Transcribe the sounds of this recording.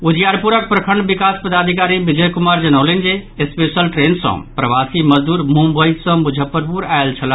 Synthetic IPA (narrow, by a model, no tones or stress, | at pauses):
ud͡ʒjaɾpuɾək̚pɾəkʰəɳɖbikaspəd̪ad̪ʱikaɾibid͡ʒəjkumaɾd͡ʒənəlend͡ʒeespesəlʈɾensə̰̃pɾəʋasiməd͡ʒd̪uːɾmũmbəj̪sə̃mud͡ʒʱəpːəɾpuɾaelt͡ʃʰəl